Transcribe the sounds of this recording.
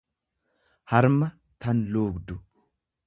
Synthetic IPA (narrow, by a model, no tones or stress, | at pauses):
hɐɾmɐ | t̪ɐnluːɡd̪ʊ